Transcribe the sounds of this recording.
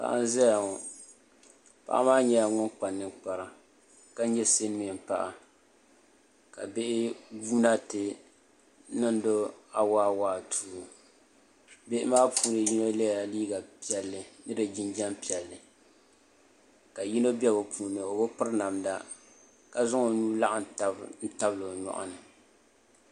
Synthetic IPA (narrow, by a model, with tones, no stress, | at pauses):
pa̰˨ʔa̰˦n˦zɛ˦ja˨ŋɔ˨ | pa̰˦ʔa̰˦maː˦ɲɛ˦ja˨ŋʊ˦nk͡pa˨nːɨ˦k͡pa˨ɾa˨ | ka˦n˦ɲɛ˦se˦n˦mi˨m˨pa̰˦ʔa˨ | ka̰˨be˦ʔɪ˦buː˦na˦tɪ˦ | nɨ˦n˦do˦a˨waː˦waː˦tʰuː˦˨˦ | be˦ʔɪ˦maː˦pʰuː˦nɨ˨ji˦no˦le˦ja˨liː˦ɡa˨pi˦ɛ˨lːɨ˨nɨ˦dɨ˨d͡ʒi˦nd͡ʒɛ˦mpi˨ɛ˨lːɨ˨ | ka˨ji˦no˦bɛ˦bo˨pʰuː˨nɨ˨o˨bʊ˦pɨ˦ɾna˨mda˦ | ka˨zʊ˦ŋo˨nuː˦la˦ʔa˨n˨ta˦n̩˦ta˦blo˨ɲɔ̰˨ʔa̰˦nɨ˨